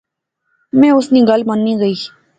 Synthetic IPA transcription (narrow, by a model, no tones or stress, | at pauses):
mɛ̃ːʊsniːɡəlmənːiːɡəiː